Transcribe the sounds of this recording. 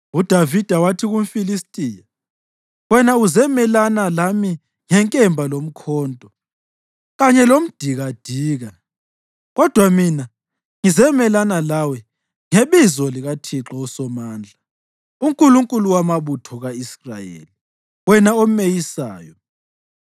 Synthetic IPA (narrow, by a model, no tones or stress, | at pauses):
ud̥ʱavid̥ʱawatʰiɣum̩filistʼiːja | wɛnauzɛmɛlanalami | ŋɛŋkʼɛmbʱalom̩kʰɔːntʼɔ | ɣaɲɛlom̩d̥ʱiɣad̥ʱiːɣa | ɣɔd̥ʱwamina | ŋizɛmɛlanalawɛ | ŋeβizɔliɣatʰiǁɔusɔmaːnd͡ɮʱa | uŋkʼuluŋkʼuluwamaβutʰɔɣaisrajḛːli | wɛnaomejisa̰ːjɔ